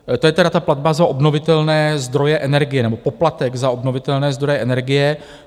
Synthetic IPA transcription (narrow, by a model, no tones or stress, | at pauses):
t̪o̞jɛt̪ɛɾat̪aplad̪̚bazaʔobno̞vɪt̪ɛlnɛːzd̪ɾo̞jɛʔɛnɛɾɡɪjɛnɛbo̞po̞plat̪ɛɡzaobno̞vɪt̪ɛlnɛːzd̪ɾojɛʔɛnɛɾɡɪjɛ